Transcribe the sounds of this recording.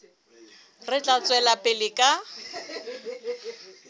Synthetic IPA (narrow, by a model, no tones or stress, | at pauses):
rɪt͡ɬʼat͡sʼwɛlapʼɪlɪkʼa